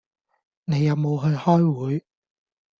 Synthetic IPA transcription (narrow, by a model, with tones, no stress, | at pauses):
ne˨˧jːɐ˨˧wmo˨˧wɦɵ˧ɥhɔː˥jwuː˨˥j